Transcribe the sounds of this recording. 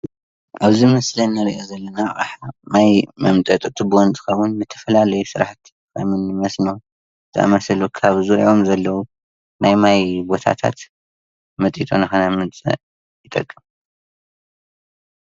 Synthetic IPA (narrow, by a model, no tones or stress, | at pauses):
ʔaβzimɐslɐnːɐɾiʔozɐlːɐnaʔʼaħmajmɐmt̪ʼɐt̪ʼɨt̪ʰʼubɨwɔnt̪ʼɨ̥xɐβʊnmɨt̪ʰɐ̥fɐlalɐjusɨɾaħt̪ | kʰa̰mɨnːɨmɐsno | t̪ʰɨʔɐ̰mɐsɐlukʰaβzuɾʕo̞mzɐlːɐwu | najmajbo̞t̪ʰa̰t̪ʰa̰t̪ | mɐt̪ʼit̪ʼonɐxɐnamɨnt͡sʼɨ̰ | jɨt̪ʼɐkʼːɨm